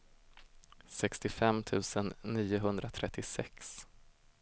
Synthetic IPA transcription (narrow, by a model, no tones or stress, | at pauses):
sɛkst̪ɪfɛmːt̪ʰʉ̟ːsənːiːʊɦɵnd̪ɾat̪ʰɾɛt̪ʰːɪsɛks